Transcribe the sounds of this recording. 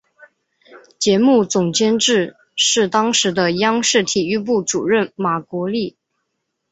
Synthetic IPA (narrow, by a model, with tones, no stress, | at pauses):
t͡ɕjɛ˧˥mu˥˩t͡sʊ˨˩ŋt͡ɕjɛ˥nʈ͡ʂɻ̩˥˧ | ʂɻ̩˥˩t̪ɑ˥ŋʂɻ̩˧˥d̪ə˧jɑ˥ŋʂɻ̩˥˩t̪ʰi˨˩y˥˧p̬u˥˩ʈ͡ʂṵ˨˩ɻə˥˩nma˨˩kwɔ˧˥li˥˩